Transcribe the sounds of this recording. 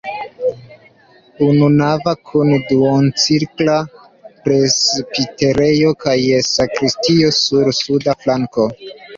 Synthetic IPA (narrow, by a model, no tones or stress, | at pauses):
ununavakʰunduont͡siɾkla | pɾespiteɾe̞jo̞kajesakɾistiosuɾsudaflaŋko̞